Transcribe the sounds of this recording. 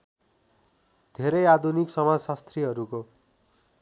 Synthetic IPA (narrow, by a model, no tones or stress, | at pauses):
d̪̥ʱeɾʌjad̪ʱuniksʌmad͡zsast̪riɦʌɾuko